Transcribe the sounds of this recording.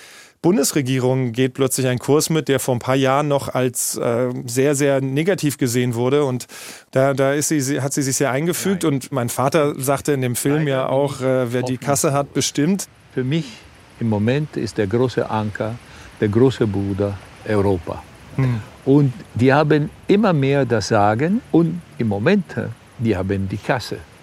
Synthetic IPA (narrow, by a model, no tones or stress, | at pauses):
b̥ʊndəsʁeɡiːʁ̞ʊŋɡeːt̚pʰl̥œt͡slɪçaɪnkʰʊɐsmɪt̚d̥eːɐfoːɐnpʰaːɐjaːʁənːɔχalsʔɛːzeːɐzeːɐneːɡatʰiːfɡ̥əzeːənvʊɐɾəʊnt | d̥aːdaːɪstz̥iːɦatz̥iːzɪçz̥eːɐʔaɪnɡəfyːk̚tʊntmaɪnfaːtɐzaːktəɪndeːmfɪlmjaːʔa̰ʊxʔɛːveːɐdiːkʰasəɦat̚b̥əʃtɪmt | fyːɐmɪç | ɪmːomɛntɪ̰st̚d̥eːɐɡʁoːsə̰ʔaŋkʰɐd̥eːɐɡʁoːsəbuːdɐʔɔʊʁoːpa̰ | ʔʊntd̥iːhaːbənʔɪmɐmeːɐdasz̥aːɡənʊntɪmːomɛntʰ | d̥iːhaːbəndiːkʰasə